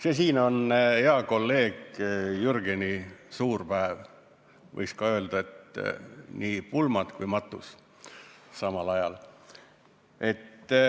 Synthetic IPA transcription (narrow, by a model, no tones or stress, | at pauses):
sesiːno̞neɑko̞lːe̞ːɡ̥jurɡenisuːrpæev | vɤ̰jskɑø̞ld̪ɑe̞t̪ | niːpulmɑd̪̥kujmɑt̪ːˑṵs | sɑmɑlɑjɑl | e̞t̪ː